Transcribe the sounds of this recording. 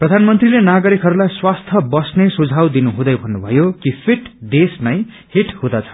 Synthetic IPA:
prʌd̪ʱanmʌnt̪rilenaɡʌɾikɦʌɾulajswast̪ʰʌbʌsnesud͡zʱawd̪inuɦũd̪ʌjbʱʌnːubʱʌjokipʰeʈd̪esnʌj | hiʈhod̪ʌt͡sʰʌ̥

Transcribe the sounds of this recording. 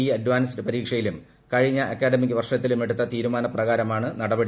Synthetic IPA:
iːɐdʋaːnsdepɐɾiːkʂɐjilum | kɐɻiɲːɐʔɐkːaːɽemik̬ːɨʋɐrʂɐt̪ːilume̞ɽut̪ːɐt̪iːɾumaːnɐprɐɣaːɾɐmaːɳɨnɐɽɐbɐɽi

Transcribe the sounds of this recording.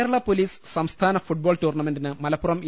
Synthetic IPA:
ɾɐɭɐpoliːssɐmst̪ʰaːnɐfuʈ̚boːlʈuːrɳɐme̞ndinɨmɐlɐpːurɐmi

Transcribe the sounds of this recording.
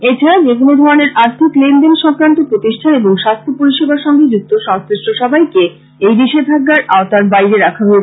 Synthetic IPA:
et͡ɕʰaɾad͡ʑek̬onod̪ʱɔɾoneɾaɾt̪ʰiklenɖenʃɔ̃ŋkɾant̪opɾot̪iʃʈʰaneboŋʃast̪ʰopoɾiʃebaɾʃɔŋɡed͡ʑuk̚t̪oʃɔŋsɾiʃʈoʃɔbʱajke | ejd̪iʃeb̪ʱaɡːaɾaot̪aɾbajɾeɾakʰaɦoe

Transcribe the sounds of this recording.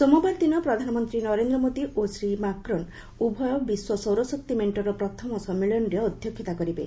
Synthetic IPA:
somubaɾd̪inɔpɾɔd̪ʱanɔmɔnt̪ɾinɔɾend̪ɾɔmod̪iʔosɾimakɾɔn | ubʱɔjɔbiswɔsɔwɾɔsɔkt̪imeɳʈɔɾɔpɾɔt̪ʰɔmɔsɔmːiɭɔnɾeɔd̪ʱjɔkʰːit̪akɔɾibḛ

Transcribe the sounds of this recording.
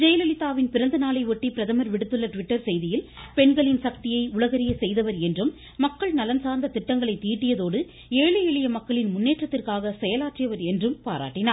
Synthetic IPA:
d͡ʒɐjɐlɐlɪt̪ːaːʋɪnpɪɾɐnd̪ɐnaːlɐɪʋɔʈːipɪɾɐðɐmɐɾʋɪɽɯt̪ːɯɭːɐʈʋɪʈːɐɾsɛjðɪjɪlpɛɳɡɐɭɪnsɐk̚t̪ɪjɐɪʊɭɐɣɐɾɪjɐsɛjðɐʋɐɾɛndrɯmː | ɐkːɐɭnɐlɐnsaːɾnd̪ɐt̪ɪʈːɐŋɡɐɭɐɪt̪ːiːʈːɪjɐðoːɽɯ | eːɭɐjɛɭɪjɐmɐkːɐɭɪnmʊnːeːʈrɐt̪ːɪrkaːɣɐsɛjɐlaːʈrɪjɐʋɐɾɛndrɯmpa̰ːɾa̰ːʈːɪnaː

